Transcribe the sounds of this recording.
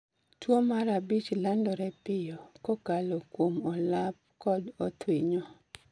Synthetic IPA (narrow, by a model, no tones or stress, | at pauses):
twomaɾabit͡ʃlandɔɾɛpɪjɔkɔkalokwomɔlap̚kɔdɔt̪wiɲɔ